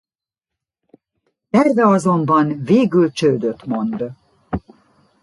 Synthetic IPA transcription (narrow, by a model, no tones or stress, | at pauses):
ɛrvɛɒzo̞mbɒnveːɡylt͡ʃøːd̪øt̪mo̞nd̪